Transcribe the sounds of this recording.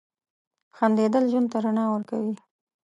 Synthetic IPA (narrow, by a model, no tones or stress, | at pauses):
xand̪ed̪əlʒwunt̪aɾanɑwəɾkawi